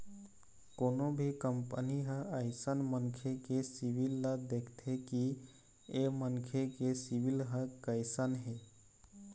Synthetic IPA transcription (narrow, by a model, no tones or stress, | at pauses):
koːnobʱikəmpəniɦəəɪsənmənkʰekesiʋilːad̪ekʰt̪ʰeki | emənkʰekesiʋilɦəkəɪsanɦe